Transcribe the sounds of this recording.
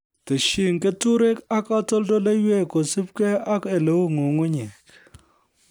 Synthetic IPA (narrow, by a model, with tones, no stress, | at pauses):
te˨ʃi˦˨ŋke˦tu˦ɾe˦ka˦ka˦tɔ˦ldo˦le˦jwe˦˨ko˨si˦p̚ke˦a˦ke˨le˨˦wu˦ŋo˨ŋu˦ɲe˨k